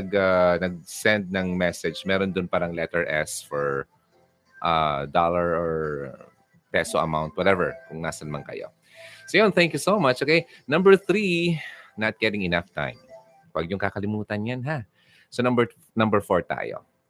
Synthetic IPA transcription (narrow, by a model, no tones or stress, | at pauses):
ɐɡanɐɡ̚sɛ̃nd̪̚nɐŋmɛsɛd͡ʒmɛːɾond̪ʊnpaɾɐŋlɛt̪ɛɹʔɛ̰sfɔɹ | ʔa̰d̪alɐɹoɹ | pɛsoʔɐ̰mawnt̪̚wɐt̪ɛvɛɹkʊŋna̰ːsɐnmɐnkɐ̰jo̞̰ | sojonθɛ̃ŋkjusomɐt͡ʃʔokejnɐ̃mbɛɹθɾinɐt̪̚ɡ̥ɛɾɪ̃ŋɪnɐft̪ã̰jm | pɐɡ̚jʊŋkakɐlɪmuːt̪ɐnjanɦa | sonɐmbɛɹ | nɐmbɛɹfoɹt̪a̰ːjo̰